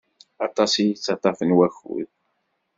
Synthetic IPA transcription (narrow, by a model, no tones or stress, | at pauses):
ɑt̪ˤɑsijit͡sːɑt̪ˤɑfənwæçṵð